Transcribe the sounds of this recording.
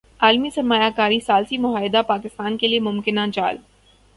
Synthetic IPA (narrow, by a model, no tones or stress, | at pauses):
aːlmisɐɾmaːjakaːɾisaːlsimʊɦaːjɪd̪apaːkɪst̪aːnkeliemʊmkɪnad͡ʒa̰ːl